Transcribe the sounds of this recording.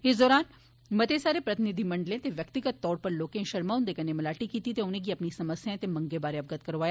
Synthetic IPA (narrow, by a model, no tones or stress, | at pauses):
ɪsd̪ɔːɾaːn | mɐt̪esaːɾepɾɐt̪ɪnɪd̪ʱimɐ̃ɳɖlẽt̪eʋjɐkt̪ɪɡət̪ːɔːɾpɐɾloːkẽʃɐɾmaːʊnd̪eːkənẽmɐlaːʈikiːt̪it̪eʊnẽɡiɐpnisɐməsjãt̪emɐ̃ŋɡebaːɾeɐb̚ɡət̪̚kɐɾʋaːja